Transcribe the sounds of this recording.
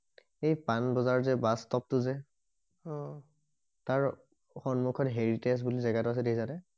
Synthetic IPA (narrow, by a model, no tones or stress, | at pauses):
ejpanbɔzaɹzɛbastɔp̚tʊzɛ | taɹ | xɔnmukʰɔtɦeɹites̬bulizɛɡatʊas̬ɛdekʰizanɛ